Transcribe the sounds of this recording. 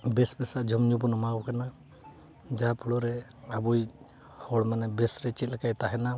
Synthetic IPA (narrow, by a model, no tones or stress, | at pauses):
bɛsbɛsaʔd͡ʒʱɔmɲubɔnɔmawkana | d͡ʒapʰuɽɔɾɛabuj | hɔɽmanɛbɛsɾɛt͡ʃit̪̚lakajt̪aɦɛna